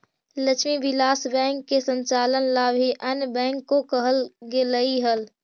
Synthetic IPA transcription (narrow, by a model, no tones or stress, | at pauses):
lət͡ʃʰmiʋɪlaːsbɛ̃ːŋkːesə̃nt͡ʃaːlənlaːbʱiʔənbɛ̃ːŋkːokəɦəlɡeləiɦəl